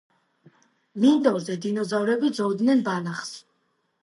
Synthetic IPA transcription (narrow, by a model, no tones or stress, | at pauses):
lind̪ɔɾzɛd̪inɔzavɾɛbid̪zɔvd̪nɛnbanaχs